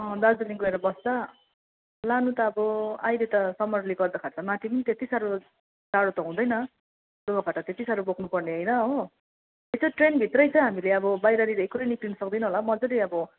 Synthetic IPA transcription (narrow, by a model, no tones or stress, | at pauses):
ʌ̃d̪ad͡zʌliŋɡoeɾʌbʌsd̪ʌ | lanut̪ʌːbʌajlet̪ʌsʌmʌrliɡʌrd̪akʰat͡sʰʌmat̪ʰipʌnit̪et̪isaɾu | d͡zaɽot̪ʌɦũd̪ʌjnʌ | dubʌkʰaʈʌt̪et̪isaɾubokʰnupʌrneʌjnʌɦo | et͡sʌʈrenbʱit̪rʌjt͡sʌj̃ɦamileʌbʌbajɾaɾiɾekuɾʌjniklinʌsʌk̚d̪ʌinʌɦolamʌd͡zʌɾiʌbʌ